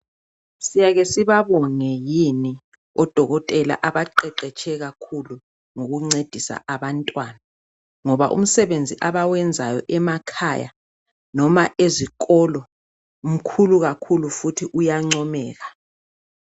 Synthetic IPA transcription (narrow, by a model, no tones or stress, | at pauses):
sijaɣesiβaβɔŋɛjini | ɔd̥ʱɔɣɔtʼɛla̰ʔaβaǃɛǃɛt͡ʃʰɛɣakʰulu | ŋoɣuŋ͡ǀed̥ʱisa̰ʔaβantʼwaːna | ŋɔβa̰ʔṵm̩sɛβend͡zʱiʔaβawɛnd͡zʱajɔ̰ʔɛmakʰa̰ja̰ | nɔmaʔezikʼɔlɔ | um̩kʰuluɣakʰulufutʰiʔujaŋ͡ǀɔmɛːɣa